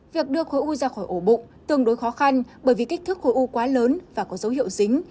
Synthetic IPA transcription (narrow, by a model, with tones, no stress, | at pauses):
vi˨˩ək̚ɗɨ˧əxo˨˧˦jʔu˧zaː˧xɔ˧˩jʔo˧˩ɓʊ̰˧˨ŋ͡mt̪ɨ˨˩əŋɗo˨˦jxɔ˨˦xa˧nɓəː˧˩jvi˨˩kä˦˥k̚t̪ʰɨ˦˥k̚xo˧˩˦ʔu˧kwaː˨˦ləː˨˦nvaː˨˩kɔ˨˦zə˨˦wɦḭ˧˨əwzï˨˦ŋ̟